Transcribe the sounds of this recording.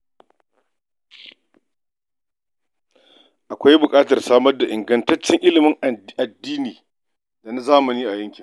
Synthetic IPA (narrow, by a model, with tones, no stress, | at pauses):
ʔa˨kʷa˦jbʊ˨kʼaː˦tɐ˨rsaː˦mɐ˦rda˨ʔɪ˨ŋɡɐ˨ntɐ˦t͡ʃːɪ˦ŋʔɪ˦lɪ˨mɪ˦ŋʔa˨dːiː˦niː˨ | da˨na˦zaː˦mɐ˨niː˦ʔa˨jɐ˦ŋkʲɪ˨